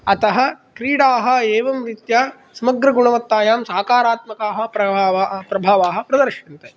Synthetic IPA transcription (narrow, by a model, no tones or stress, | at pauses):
ɐt̪ɐɦɐ̆kɾiːɽaːɦɐ̆eːʋɐmɾit̪jaː | sɐmɐɡɾɐɡuɳɐʋɐt̪ːaːjaːmsaːkaːɾaːt̪mɐkaːɦɐ̆pɾɐaːʋapɾɐbʱaːʋaːɦɐ̆pɾɐd̪ɐɾʃɐnt̪e